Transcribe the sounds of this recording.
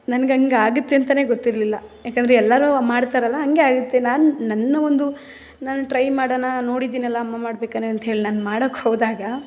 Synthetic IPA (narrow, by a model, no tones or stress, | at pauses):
nɐnɐɡeɐŋɡeaːɡut̪ːeɐnt̪̬ɐne̞ːɡot̪ːiɾlilːɐjaːkɐnd̪ɾeɛlːaːɾumaːɽt̪aːɾɐlːɐːŋɡe̞aːɡut̪ːe̞naːnunɐnːɐʋond̪u | naːnuʈɾɐjmaːɽɐnɐno̞ːɽid̪iːnɛlːɐːmːamaːɽbeːkaneɐnt̪ɐɦe̞ːɭinaːnmaːɽokːhoːd̪aːɡɐ